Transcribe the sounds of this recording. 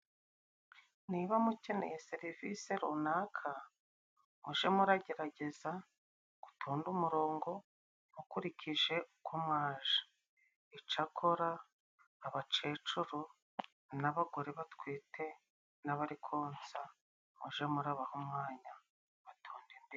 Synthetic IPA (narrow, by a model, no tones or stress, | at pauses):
niβamuce̞ne̞̰jese̞ɾivise̞ɾonaːkʰa | muʒemuɾaɟe̞ɾaɟe̞za | ɡ̥u̥tʰoːndumuɾo̞ːŋɡo̞ | ukuɾiciʒe̞ukomŋaːʒḁ | it͡ʃakʰo̞ɾaː | βat͡ʃe̞ːt͡ʃuɾo | naβaɡo̞ɾe̞βatkwiːtʰe̞ | naβaɾikʰoːnsa | muʒe̞muɾaβahomŋaːɲa | βatʰoːndimbi